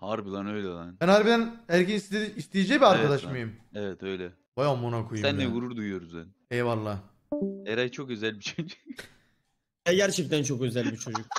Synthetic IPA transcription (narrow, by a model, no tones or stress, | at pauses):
haɾbilˠanøjlʲɛlˠanænaɾbid̪ænhæɾcinisiist̪ʰijed͡ʒɛjbiaɾkad̪aʃmajɯmevɛt̪ʰøjlɛ | bajamːonakʰujsuænːɛvuɾuɾd̪ujujo̞ɾuzbɛn | ejvalˠːaː | eɾajt͡ʃʰokø̞zælʲbit͡ʃʰod͡ʒuk | jajæɾt͡ʃʰift̪ænt͡ʃʰo̞køzælʲbit͡ʃʰo̞d͡ʒuk̚